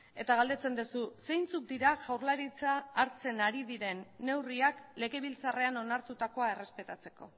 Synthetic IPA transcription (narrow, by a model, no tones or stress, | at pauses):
e̞t̪aɣald̪e̞t͡se̞nd̪ususe̞jnt͡suk̚d̪iɾaʝawɾlaɾit͡saːɾt͡se̞naɾiðiɾe̞nːe̞wriakle̞ɣe̞βilt͡sare̞ano̞naɾt̪ut̪ako̞ae̞re̞spe̞t̪at͡se̞ko̞